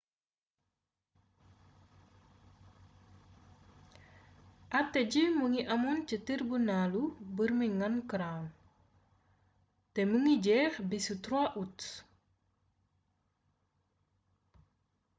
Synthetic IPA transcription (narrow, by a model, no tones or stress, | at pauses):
ʔat̪ed͡ʒimuŋiʔamunt͡ʃət̪irbunalubərmiŋankəɾan | t̪emuŋid͡ʒɛhbisut̪ɾuaʔuts